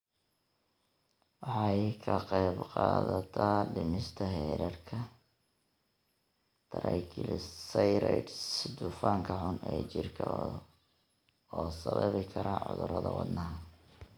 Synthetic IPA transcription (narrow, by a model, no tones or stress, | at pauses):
wɑħɑjkʰɐqɑjbqɑːðɐt̪ʰaːɖɪmɪst̪ʰɐɦɛːɾɐrkʰɐ | t̪ʰɐɾɐjkʰɪlsɐjɾɛɖsd̪ʊfaːŋkʰɐħʊnɛːt͡ʃɪrkʰɐ | ɔːsɐβɐ̰βɪkʰɐɾaːʕʊ̰ðʊɾɐðɐwɑd̪nɐɦɐ